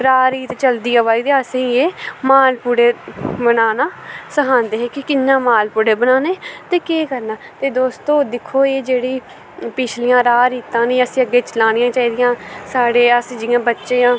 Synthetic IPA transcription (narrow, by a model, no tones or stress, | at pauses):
ɾaːɾiːt̪t͡ʃəld̪iːəʋaːiːd̪eəsĩːeːmaːlpuɽeːbənaːnaːsəɦʰãːnd̪eːɦẽːkɪkɪnːãːmaːlpuɽeːbənaːneːt̪eːkeːkəɾnaːt̪eːd̪oːst̪õːd̪ɪkʰːoːeːd͡ʒeːɽiː | pɪt͡ʃʰlɪjãːɾaːɾiːt̪ãːnĩːəsĩːəɡːeːt͡ʃəlaːnɪjãːt͡ʃaːiːd̪ɪjãːsaːɽeːəsĩːd͡ʒɪjãːbətːʃeːãː